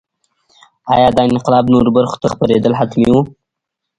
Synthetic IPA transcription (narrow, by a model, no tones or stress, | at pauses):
ɑ̰jɑd̪ɑɪnɪqɪlɑbnoɾbaɾxo̥t̪axpaɾed̪əlɦat̪mḭwu